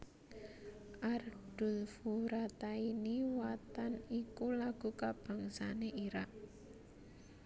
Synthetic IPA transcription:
ʔard̥ṳlfuɾat̪ainiwat̪anikulaɡ̥ṳkab̥a̤ŋsaneʔiɾaʔ

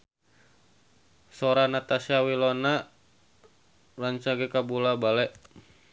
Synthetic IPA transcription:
sɔɾanat̪asiawilɔna | raɲt͡ʃaɡɛkabulabalɛʔ

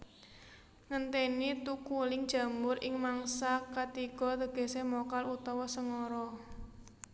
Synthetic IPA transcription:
ŋənt̪enit̪ukulɪŋd̥ʒ̥ä̤mbʊrʔɪŋmaŋsakat̪iɡ̥ɔ̤t̪əɡ̥e̤semokalut̪ɔwɔsəŋɔɾɔ

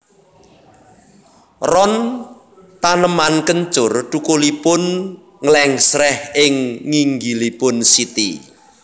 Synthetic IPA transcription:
rɔn | t̪anəmankəɲt͡ʃʊrʈ̪ukulipʊn | ŋəlɛŋsɾɛhɪŋːiŋɡilipʊnsit̪ḭ

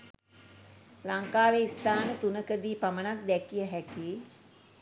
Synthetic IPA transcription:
laŋkaːʋeist̪aːnət̪unəkəd̪iːpamənak̚d̪ɛkijəɦɛkiː

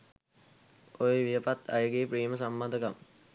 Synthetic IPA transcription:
ojeʋijəpat̪a̰jəɡeːpriːməsamːad̪əkam

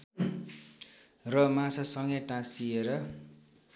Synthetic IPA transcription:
rʌmãsʌsʌŋɡʌjʈãsieɾʌ

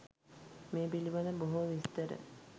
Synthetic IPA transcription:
meːbiliʋaləboɦuʋist̪əɾə̰

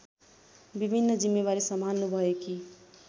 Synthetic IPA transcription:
bibʱinːʌd͡zimːebaɾisʌmanːubʱʌjeki

